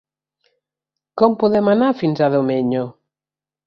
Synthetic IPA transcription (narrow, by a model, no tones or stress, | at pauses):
kompoðɛmanaɾfinsaðomeɲo